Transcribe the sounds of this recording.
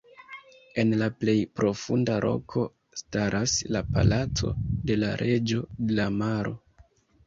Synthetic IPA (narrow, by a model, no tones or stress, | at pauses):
e̞nlaple̞jpɾo̞fundaɾʔo̞̰kʰo̞ | staɾʔaslapa̰lat͡so̞̰de̞laɾʔe̞d͡ʒo̞de̞lamaɾʔo̞̰